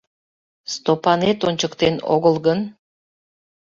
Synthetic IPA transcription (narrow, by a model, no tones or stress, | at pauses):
st̪opɑnet̪onʲt͡ɕəkt̪eno̰ɣəlɣən